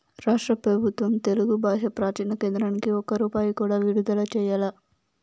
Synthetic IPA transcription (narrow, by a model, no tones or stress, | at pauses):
ɾaːʂʈɾɐpɾɐbʱut̪ʋɐmt̪e̞luɡubʱaːʃɐpɾaːt͡ʃiːnɐkeːnd̪ɾɐnikiɔkɐɾuːpaːjukuːɽaːʋiɽud̪ɐlɐt͡ʃɛːjaːlɐ